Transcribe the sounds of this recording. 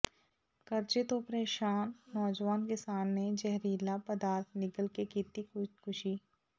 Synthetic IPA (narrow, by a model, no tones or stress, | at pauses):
kɐɾt͡ʃet̪opɾeːʃaːnːɔːd͡ʒʋaːnkɪsaːnːed͡ʒɛɦɾiːlapɐd̪aːɾt̪ʰnɪkəlkekiːt̪ikʊkʊʃiː